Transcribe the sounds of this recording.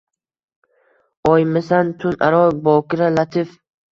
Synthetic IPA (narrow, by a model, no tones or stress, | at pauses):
ɒjmɪsant̪ʰʊnʔaɾɒbɒkʲɪɾalat̪ʰɪf